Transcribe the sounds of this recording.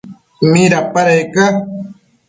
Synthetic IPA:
miɾapaɾajka

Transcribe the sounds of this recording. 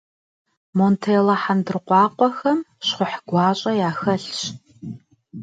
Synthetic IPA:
moːntʰeːlɐħandɨrqʷɑːqʷɔxɐmɕχʷʊħɡʷɑːɕʼɐjaːxɐɬɕ

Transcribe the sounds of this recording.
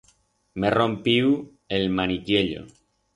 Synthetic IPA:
mero̞mpiw | e̞lmanikjeʎo̰

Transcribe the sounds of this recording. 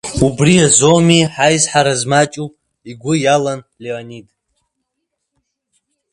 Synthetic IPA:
ubriazomiħajzħaɾazmat͡ʃʼupʼ | iɡʷʊjalan | leonid

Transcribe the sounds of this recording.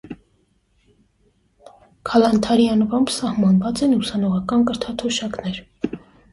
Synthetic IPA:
kʰɑlɑnt̪ʰɑɾjɑnvɑmbʰsɑhmɑnvɑt͡sɛnusɑnɔʁɑkɑnkəɾt̪ʰɑt̪ʰɔʃɑknɛɾ

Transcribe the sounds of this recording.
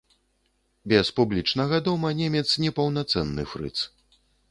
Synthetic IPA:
bʲɛspublʲit͡ʂnɐɣad̪ɔmɐnʲɛmʲɛt̪snʲɛpɐwnat̪sɛnːɨ̰fɾɨ̰t̪s

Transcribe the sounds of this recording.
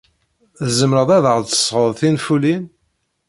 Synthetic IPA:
zəmɾəðˤæðəʁðt͡sə̥sˤːʁəðˤθinfulin

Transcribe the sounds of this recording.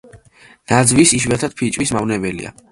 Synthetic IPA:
nad̪zvisiʃwat̪ʰad̪̥̚pʰit͡ʃʼwismavnɛbɛlḭa̰

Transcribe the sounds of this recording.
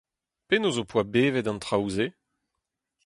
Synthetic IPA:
penozopwabeːvɛdɑ̃nt̪χawze

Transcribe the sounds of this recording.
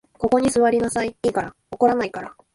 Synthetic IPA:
ko̞ko̞ɲ̟isɨβaɾʲinasaiiːkaɾa | oko̞ɾanaikaɾa

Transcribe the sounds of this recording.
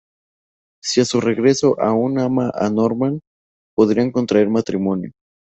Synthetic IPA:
siasure̞ɣɾe̞so̞ʔaunamaʔa̰noɾman | po̞ðɾiaŋko̞nt̪ɾaeɾmat̪ɾimo̞njo

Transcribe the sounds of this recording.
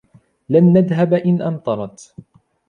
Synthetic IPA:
lanːaðɦabʔɪnʔɑnt̪ˤɑɾˤɑt̪

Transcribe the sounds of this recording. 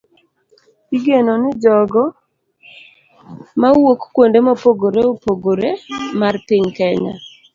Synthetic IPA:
iɡenonɪd͡ʒɔɡɔ | mawokkwondemopoɡoɾeopoɡoɾemarpɪɲkɛɲa̰

